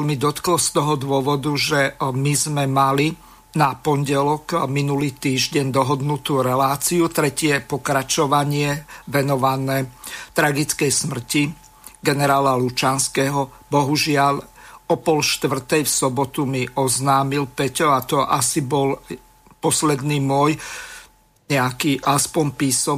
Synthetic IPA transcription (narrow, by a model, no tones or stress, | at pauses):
lmid̪ɔt̪klɔst̪ɔɦɔd̪ʊɔʋɔd̪uʒɛmizmɛmali | napɔnɟɛlɔkminuliːt̪iːʒɟɛɲd̪ɔɦɔd̪nut̪uːɾɛlaːt͡siut̪ɾɛcɪɛpɔkɾat͡ʃɔʋaɲɪɛʋɛnɔʋanɛːt̪ɾaɡit͡skɛjsmr̩ci | ɡɛnɛɾaːlalut͡ʃanskɛːɦɔ | bɔɦuʒɪalɔpɔlʃt̪ʋr̩t̪ɛjfsɔbɔt̪umiʔɔznaːmilpɛcɔat̪ɔʔasibɔl | pɔslɛd̪niːmʊɔj | ɲɛakiːʔaspɔɲpiːsɔ